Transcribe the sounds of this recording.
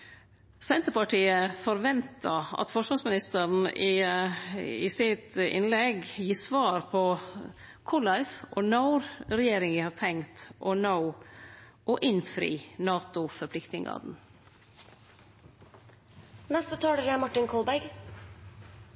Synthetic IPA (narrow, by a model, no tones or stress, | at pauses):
sɛnt̪əɾpɑʈʰiːəfɔɾʋɛnt̪ʰɑɑ̰t̪fɔʂʋɑsmɪnɪst̪əɾn̩ɪ | ɪsɪt̪ɪ̰nlɛɡjiːsʋɑːɾpʰɔ | kʰʊlɑɪsʔɔnɑʊɾɾɛjeːɾɪŋəhɑːt̪ʰɛŋt̪ʔɔnaʊ | ʔɔʔɪnfɾḭːnɑːt̪ʊfɔɾpʰlɪkt̪nɪŋɑ̰ːd̪n̩ | nɛst̪ət̪ʰɑːɖeːlæmɑʈɪnkʰɔlbæɡ